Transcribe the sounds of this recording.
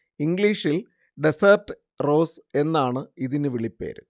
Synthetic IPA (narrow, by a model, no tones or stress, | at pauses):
iŋɡɭiːʂil | ɖesɐrtɨ | ro̞ːse̞nːaːɳɨiðinɨʋiɭipːḛːɾɨ